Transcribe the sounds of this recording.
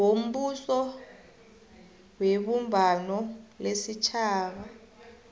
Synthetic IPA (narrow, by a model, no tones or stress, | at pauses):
wom̩ɓusɔ | weɓumbʱanɔlesit͡ʃʰaːɓa